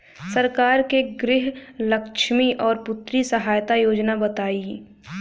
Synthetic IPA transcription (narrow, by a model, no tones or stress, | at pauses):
sɐɾkaːɾkeɡɾɪɦlɐkʃmiʔɔːɾpʊt̪ːɾisɐɦaːjt̪ajoːd͡ʒnabɐt̪aːi